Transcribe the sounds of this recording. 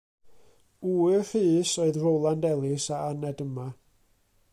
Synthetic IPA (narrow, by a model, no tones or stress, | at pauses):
uːɨfɨːsoɨðrowlˠandɛlˠɪsaanɛdəma